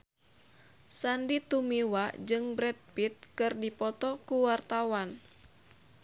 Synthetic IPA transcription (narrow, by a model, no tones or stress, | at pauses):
sandit̪umiwad͡ʒɨŋbɾɛt̪̚pit̪̚kɨrdipɔt̪ɔkuwart̪awan